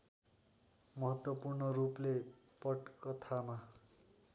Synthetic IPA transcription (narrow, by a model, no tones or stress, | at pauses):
mʌɦʌt̪wʌpurnʌruple | pʌʈkʌt̪ʰama